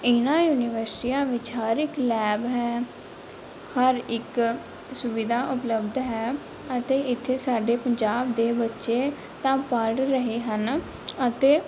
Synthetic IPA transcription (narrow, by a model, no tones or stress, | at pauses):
ɪnãːjuːniːʋəɾsʈiːãːʋɪt͡ʃɦəɾɪklɛːbɦɛː | həɾɪk | sʊʋid̪aːʔʊpləbd̪ɦɛː | ət̪eːɪt̪ʰːeːsaːɖeːpəɲd͡ʒaːbd̪eːbətːʃeː | t̪ãːpəɽɾəɦeːɦən | ət̪eː